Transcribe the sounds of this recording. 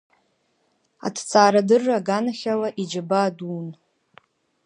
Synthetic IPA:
a̰tʰt͡sʰʼaːɾadɨrːaɡanaχʲalaʔid͡ʒabaːdun

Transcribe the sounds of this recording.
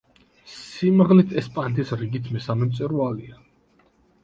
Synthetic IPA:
simʁlit̪ʰɛspʼant̪ʰisɾiɡit̪ʰmɛsamɛmt̪sʼɛɾualia

